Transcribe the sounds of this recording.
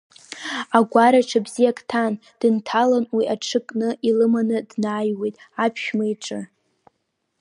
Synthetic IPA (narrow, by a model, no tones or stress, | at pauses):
aɡʷaɾaʈ͡ʂʰabzijakʰʼtʰan | d̥ɨntʰalanwiʔaʈ͡ʂʰɨkʼnɨʔilɨmanɨdnaːjwejtʼ | apʰʃᶣmaiʈ͡ʂʼɨ